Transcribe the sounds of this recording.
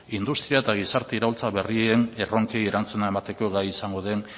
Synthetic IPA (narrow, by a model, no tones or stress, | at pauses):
ind̪ust̪ɾiaet̪aɣ̞isaɾt̪eiɾault͡saβe̞riene̞ro̞ŋkeje̞ɾant͡sunae̞mat̪e̞ko̞ɣajisaŋɡo̞ðe̞n